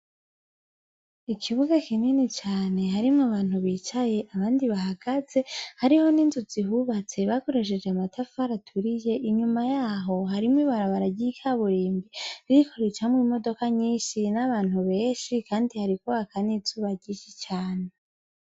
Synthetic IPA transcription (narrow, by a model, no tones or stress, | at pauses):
ikʰiβuɡakininet͡ʃaːne̞ɦaɾimŋaβaːnhuβiːt͡ʃaje̞ʔaβaːndiβaɦaɡ̥aze̞haɾiho̞niːnzuziɦuːβat͡se̞βako̞ɾeʃ̬e̞d͡ʒeamatʰafuaɾatʰuɾije̞ʔiɲumajaːɦo̞ɦaɾimwiːβaɾaβaɾaɟikʰaβuɾiːmbiβiikʰo̞ɾe̞t͡ʃamwiːmo̞do̞kaɲiːnʃinaβaːn̥huβe̞ːʃikaːndihaɾikuβakʰanizuːβaɟiʃit͡ʃaːne̞